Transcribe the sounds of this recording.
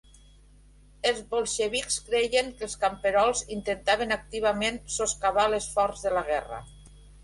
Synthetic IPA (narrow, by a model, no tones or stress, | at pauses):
elˠzβolˠʃeβikskɾejeŋkəlˠskampeɾɔlˠzint̪ent̪aβ̞enak̚t̪iβamensoskaβalesfɔɾzðəlaɣɛrə̰